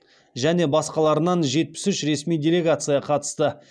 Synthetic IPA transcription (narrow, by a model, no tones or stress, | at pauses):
ʒæne̞bɑsqɑlˠɑɾənɑnʒe̞t̪̚pɪ̥sʏʃɾe̞smijdʲe̞lʲe̞ɡat̪sɨjɑqʰɑt̪ə̥st̪ə